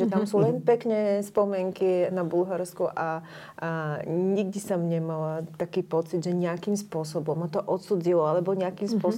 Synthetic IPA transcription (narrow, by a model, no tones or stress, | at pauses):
ɛt̪amsuːlɛnpɛkɲɛspɔmɪɛŋkinabulɦaɾskuʔa | ɲiɡ̚d̪isɔmɲɛmalat̪akiːpɔt͡sid̪ʒɛɲɪakiːmspʊɔsɔbɔmːat̪ɔʔɔt̪sud͡zilɔalɛbɔɲɛakiːmspʊɔs